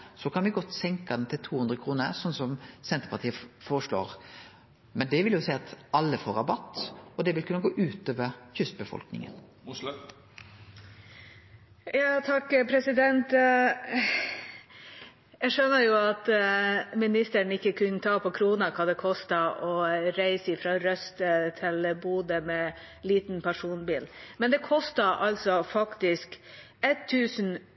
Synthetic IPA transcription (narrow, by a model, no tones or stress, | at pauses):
sɔkʰɑnʋɪɡɔt̪ːsɛŋkɑd̪ɛt̪ʰɪlt̪ʰuːhʉnd̪ɾəkʰɾuːnə̰ɾsɔnːsɔmsɛnt̪əɾpʰɑt̪iːəfoːɾəʂɭo̰ːɾ | mɛnd̪ɛʋɪljʊsɛæɪɑt̪ɑlːəfoːɾɑbɑt̪ːɔd̪ɛʋɪlkʰʉnːəɡoːʔʉːt̪oːʋəɾçʏst̪bəfɔ̰lknɪ̰ŋə̰n | jɑːt̪ʰɑkːpʰɾɛsɪd̪ɛnt̪ | jæɪʂønəɾjʊɑt̪ | mɪnɪst̪əɳɪkːəkʰʉnːət̪ʰɑːpʰɔkʰɾuːnɑkʰɑːd̪ɛkʰɔst̪ɑʔɔɾæɪsəɪfɾɑːɾœst̪ət̪ʰɪlbuːd̪əmɛː | liːt̪n̩pʰæʂuːnbiːlmɛnd̪ɛkʰɔst̪ɑʔɑlsɔfɑkt̪ɪsk | ɛt̪ʰːʉːsn